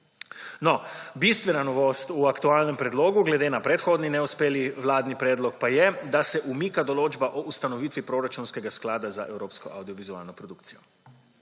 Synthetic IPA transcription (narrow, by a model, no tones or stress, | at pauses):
nɔbist̪ʋɛnanɔʋoːst̪uakt̪uaːlnɛmpɾɛd̪loːɡuɡlɛd̪eːnapɾɛt̪xoːd̪ninɛuspeːliʋlaːd̪nipɾɛːd̪lɔkpajɛd̪asɛʔumiːkad̪ɔloːd͡ʒbaʔɔust̪anɔʋiːt̪ʋipɾoːɾat͡ʃunskɛɡasklaːd̪azaʔɛwɾoːpskɔʔa̰wd̪iɔʋizua̰ːlnɔpɾɔd̪uk̚tsijɔ